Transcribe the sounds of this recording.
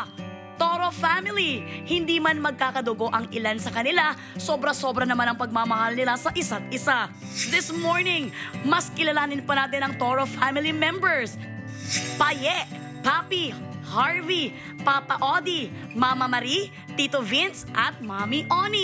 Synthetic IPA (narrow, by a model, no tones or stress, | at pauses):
t̪oɾofamɪlihɪnd̪iːmɐnmɐɡ̚kaːkɐd̪oɡo̞ʔɐŋɪlansɐkɐnɪla | soːbɾɐso̞ːbɾɐnɐmanɐŋpɐɡ̚maːmɐhalnɪlasɐʔɪsat̪̚ɪsa | d̪ɪsmoɹnɪŋmɐskɪlɐlaːnɪnpɐnaːt̪ɪnɐŋt̪oɾofamɪlimɛmbɛɹs | pɐjɛʔ | paːpihaɹvi | papɐʔod̪imamɐmɐɾi | t̪it̪ovinsʔɐt̪̚mamiʔoni